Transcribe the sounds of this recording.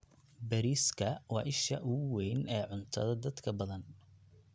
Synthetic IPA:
bɛɾiːskʰɐwɑːʔɪʃɐ̰ʔʊwɛjnɛːʕʊnt̪ʰɐ̰ðɐd̪ɐd̪kʰɐbɐðɐn

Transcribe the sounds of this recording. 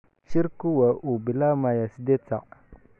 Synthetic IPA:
t͡ʃiɾkuwaʔubilamajasidet͡sa̰ʔ

